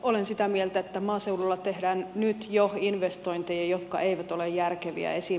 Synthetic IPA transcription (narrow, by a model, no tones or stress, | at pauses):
olensit̪æmielt̪æet̪ːæmɑːseululːɑt̪ehdæːnnyt̪joinʋest̪oint̪ejɑjot̪kɑ̰ʔeiʋæt̪olejjærkeʋḭæ̰esi